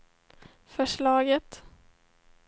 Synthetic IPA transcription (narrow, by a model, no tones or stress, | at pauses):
fœʂɭɑːɡət̪